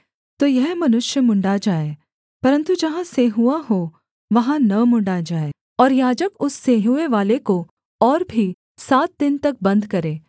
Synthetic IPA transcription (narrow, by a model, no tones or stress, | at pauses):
t̪oːjɛɦmɐnʊʃjəmʊ̃ɳɖad͡ʒaːe | pɐɾə̃nt̪ud͡ʒɐɦãseɦuaɦo | ʋɐɦãnɐmʊ̃ɳɖad͡ʒaːe | ɔːɾjaːd͡ʒəkʊsːeːɦueʋaːleko | ɔːɾbʱi | saːt̪̚d̪ɪnt̪ɐk̚bɐ̃nd̪kɐɾẽː